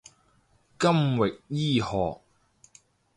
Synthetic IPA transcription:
kɐ˥mwɪ˨k̚jiː˥hɔː˨k̚

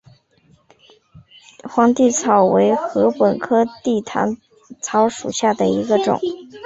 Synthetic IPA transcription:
xwɑ˧˥ŋt̪i˥˩t͡sʰɑ˨˩ʊwe˧˥ɪxɤ˧˥pə˨˩nkʰɤ˥t̪i˥˩t̪ʰa̰˧˥n | t͡sʰɑ˧˥ʊʂṵ˨˩ɕja˥˩d̪ə˩i˧˥ɡə˧ʈ͡ʂʊ̰˨˩˦ŋ

